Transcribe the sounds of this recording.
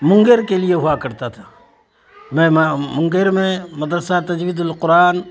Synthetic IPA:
mʊ̃ŋɡəɾkelieɦʊakɐɾt̪at̪ʰa | mɛ̃mmʊ̃ŋɡəɾmẽmɐd̪ɾəsat̪ɐd͡ʒʋiːd̪ʊlqʊɾaːn

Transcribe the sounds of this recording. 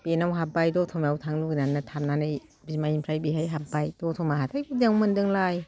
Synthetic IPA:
b̥enawɦap̚bajdɔtʰɔmjawtʰaŋluɡinanːatʰamnanɯj | bimaimpʰɾajbiɦajɦap̚bajdɔtʰɔmaɦatʰajbudeŋwmɯndɯŋlaj

